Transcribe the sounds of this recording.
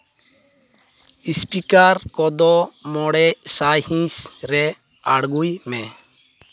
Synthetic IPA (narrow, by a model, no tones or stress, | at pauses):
ispikaɾkɔd̪ɔmɔɽɛsajhĩsɾɛ | aɽɡujmɛ